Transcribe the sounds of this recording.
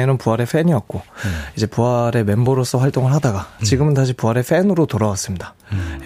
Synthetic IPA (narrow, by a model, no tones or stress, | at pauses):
enɯnpuɦaɾe̞ɸʰe̞ɲiʌk̚k͈oid͡ʑe̞puaɾe̞me̞mboɾos͈ʰʌɸwaɭt͈oŋɯɭɦadaɡat͡ɕiɡɯmɯntaɕ̬ʰipuaɾe̞ɸʰe̞nɯɾotoɾawas͈ɯmɲida